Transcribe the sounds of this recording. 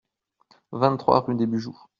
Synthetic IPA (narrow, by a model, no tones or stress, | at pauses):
vɛ̃t̪χwa̰ʁyd̪ebyʒuːʁ